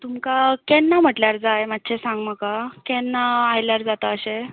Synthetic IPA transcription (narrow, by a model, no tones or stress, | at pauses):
t̪umkakɛnːam̤əʈljaɾd͡zajmat̪ːɕʰesãŋɡməkakɛnːaajljaɾd͡zat̪aəɕe